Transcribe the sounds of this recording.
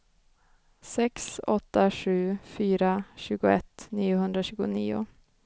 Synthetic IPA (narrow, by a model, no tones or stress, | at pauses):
sɛksɔt̪ːaɧʉ̟ːfyːɾaɕʉ̟ːɡʊɛt̪ːniːʊɦɵnd̪ɾaɕʉːɡʊ̰nḭːʊ̰